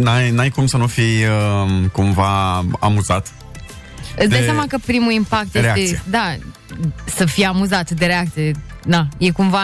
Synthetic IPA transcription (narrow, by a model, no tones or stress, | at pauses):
najnajkumsənufijəkumvaa̰muzat̪ | ɨt̪sd̪ajs̬ʲamakəpɾimuimpak̚t̪jeɾeaeed̪a | səfijeamuzat̪d̪eɾe̞ak̚t̪sije̞ | d̪aje̞kumva